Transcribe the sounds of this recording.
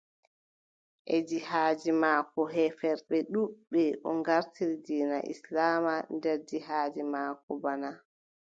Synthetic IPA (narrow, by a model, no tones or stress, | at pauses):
ʔɛd͡ʒihaːd͡ʒimaːkɔɦɛfɛɾɓɛɗuɓːɛʔɔ̰ŋɡaɾtiɾid͡ʒiːna̰ʔḭslaːmandɛɾd͡ʒihaːd͡ʒimaːkɔbana